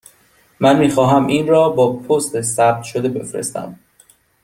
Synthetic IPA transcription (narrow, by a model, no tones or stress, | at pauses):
mænmiːxɒːɦæmʔiːnrɒːbɒːpʰost̪esæb̚t̪ʃod̪e̞be̞fɾḛst̪æ̰m